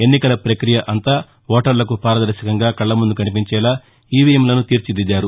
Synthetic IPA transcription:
e̞nːikɐlɐpɾɐkɾijɐʔɐnt̪aː | ʋɔːʈɐɾlɐkupaːɾɐd̪ɐɾʃɐkɐŋɡaːkɐɭːɐmund̪ukɐnipiɲt͡ʃɛːlaː | iːʋijɐmlɐnut̪iːɾt͡ʃid̪id͡ʒaːɾu

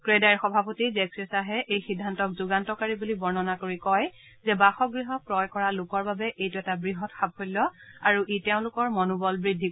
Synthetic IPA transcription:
kɹedaɹxɔbʱapotizɛksesaɦɛʔejxidʱːantɔkzuɡantɔkaɹibulibɔɹnɔnakoɹikɔj | zɛbaxɔɡɹiɦɔpɹɔjkɔɹalʊkɔɹbabɛʔejtuɛtabɹiɦɔtxab̚hollɔaɹuʔiteʊ̃lʊkɔɹmɔnubɔlbɹidʱːi

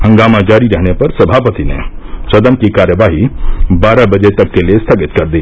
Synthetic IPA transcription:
hə̃ŋɡaːmãd͡ʒaːɾiɾəɦɽ̃epɐɾsɐbʱaːpət̪inḛsɐd̪əmkikaːɾjəʋaːɦibaːɾabɐd͡ʒet̪ɐkːeliest̪ʰɐɡɪt̪kɐɾd̪iː

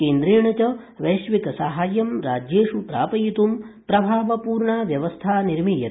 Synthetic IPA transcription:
keːnd̪ɾeːɳɐt͡ʃɐ | ʋɐjʃʋikɐsaɦaːjɐmɾaːd͡ʒjeːʃupɾa̰ːpɐjit̪umpɾɐbʱaːʋɐpuːɾɳaːʋjɐʋɐst̪ʰaːniɾmiːjɐ̰t̪

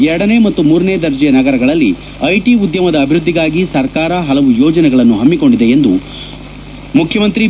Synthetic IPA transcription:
ɛɾɐɽɐne̞ːmɐt̪ːumuːɾɐne̞ːd̪ɐɾd͡ʒɛjɐnɐɡɐɾɐɡɐɭɐlːi | ɐjʈiud̪jɐmɐd̪ɐːbʱiɾud̪ːiɡaːɡisɐɾkaːɾɐɦɐlɐʋujɔːd͡ʒɐnɛɡɐɭɐnːuɦɐmːiko̞ɳɖid̪e̞end̪u | mukʰjɐmɐnt̪ɾi

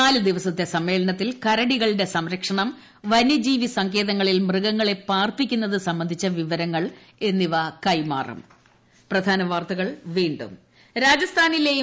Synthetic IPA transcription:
aːlɨd̪iʋɐsɐt̪ːe̞sɐmːe̞ːlɐnɐt̪ːilkɐɾɐɽiɣɐɭiɽe̞sɐmɾɐkʂɐɳɐm | ʋɐnɐd͡ʑiːʋisɐŋke̞ːðɐŋːɐɭilmrɨɣɐŋːɐɭe̞paːrpikʲːunːɐðɨsɐmbɐnd̪ʱit͡ɕːɐʋiʋɐɾɐŋːɐɭ | e̞nːiʋɐkɐjma̰ːrɐ̰m | prɐd̪ʱaːnɐʋaːrt̪ɐɣɐɭʋiːɳɖṵm | ɾaːd͡ʑɐst̪ʰaːnileːju

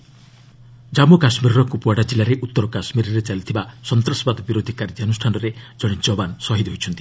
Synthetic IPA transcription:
d͡ʒamukasmiɾɔɾɔkupuaɽad͡ʒilːaɾeʔut̪ːɔɾɔkasmiɾɔɾet͡ʃalit̪ʰibasɔnt̪ɾɔsɔbad̪ɔbiɾod̪ʱikaɾid͡ʒanusʈʰanɔɾed͡ʒɔɽ̃it͡ʃɔbansɔɦid̪ɦojt͡ʃʰɔnt̪i

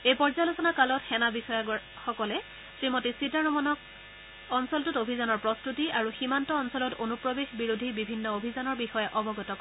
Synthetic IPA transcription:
ejpɔɹzalosɔnakalɔtxɛnabixɔjaɡɔ | xɔkɔlɛ | sɹimɔtisitanɔmɔnɔk | ɔnsɔltutobʱizanɔɹpɹɔstutiaɹuximantɔːnsɔlɔtonupɹɔbexbiɹudʱibibʱinːɔobʱizanɔɹbixɔjɛʔɔbɔɡɔtɔk

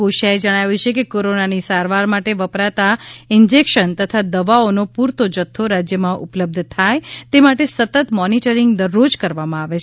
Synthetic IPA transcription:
oʃaed͡ʒəɽ̃aʋjut͡ʃʰekekoɾonanisaɾʋaɾmaʈeʋəpɾat̪aɪnd͡ʒekʃənt̪ət̪ʰad̪əʋaonopuɾt̪od͡ʒət̪ʰːoɾad͡ʒjəmãʔṵpləb̚d̪ʱt̪ʰajt̪emaʈesət̪ət̪mɔniʈəɾiŋɡd̪əɾːod͡ʒkəɾʋamãaʋet͡ʃʰ

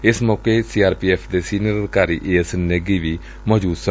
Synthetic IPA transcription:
ɪsmɔːkeːsiːaːɾpiːɛːpʰd̪eːsiːnəɾkaːɾiːʔeːsnəɡiːʋiː | mɔːd͡ʒuːd̪sə

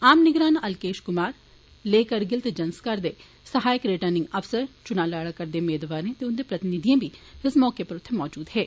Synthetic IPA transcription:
aːmnɪɡɾaːnɐlkeːʃkʊmaːɾ | leːkəɾɡɪlt̪d͡ʒɐnskɐɾd̪e | sɐɦaːjəkɾɪʈəɾnɪ̃ŋɡɐfsəɾt͡ʃʊnaːlaːɽakɐɾd̪emeːd̪ʋaːɾẽt̪eʊnd̪epɾɐt̪ɪnɪd̪ʱijãbʱiɪsmɔːkepɐɾʊt̪ʰːemɔːd͡ʒuːd̪ɦɛː

